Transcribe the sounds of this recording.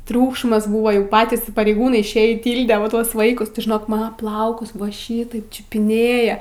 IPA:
ˈtʲrʲuːkʃmɐs ˈbuːʋɐ jɛʊ ˈpɑːtʲiːs pɐrʲɛɪˈɡuːnɐɪ ɪʃʲˈeːjiː ˈtʲiːlʲdʲɛ ʋɐ ˈtuɔs ˈʋɐɪkʊs tʲɪ ʒʲɪˈnoːk ˈmɑːnɐ ˈplˠɐʊkʊs ˈʋɐ ˈʃʲiːtɐɪp t͡ʃʲʊpʲɪˈnʲeːjɛ

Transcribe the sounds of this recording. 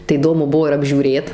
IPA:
tɐɪ iːˈdoːmʊ ˈbuɔ ɪr ɐbʲʒʲuːˈrʲeːt

